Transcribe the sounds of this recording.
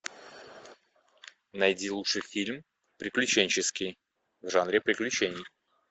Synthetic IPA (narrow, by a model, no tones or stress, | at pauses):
nɐjdʲilˠuʂɨjfʲilʲm | pɾʲɪklʲʉt͡ɕenʲt͡ɕɪskʲɪj | vʐanɾʲɪpɾʲɪklʲʉt͡ɕenʲɪj